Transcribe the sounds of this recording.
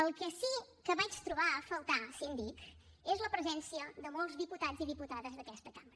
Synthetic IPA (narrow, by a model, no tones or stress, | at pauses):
əlˠkəsikəβat͡ʃt̪ɾuβ̞aəfəlˠt̪asind̪ik | ezləpɾəzɛnsiəðəmolˠzðiput̪ad͡zziðiput̪aðəzðəkɛst̪əkaməɾə